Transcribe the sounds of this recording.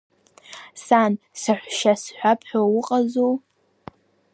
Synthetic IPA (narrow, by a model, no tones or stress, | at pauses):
san | sɨħʷʃasħʷᶣapʰħʷᶣawʊqʼazow